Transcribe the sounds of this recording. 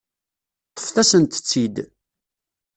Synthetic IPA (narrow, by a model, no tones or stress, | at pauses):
t̪ˤːə̥fθæsənt̪ə̥t͡sːid̪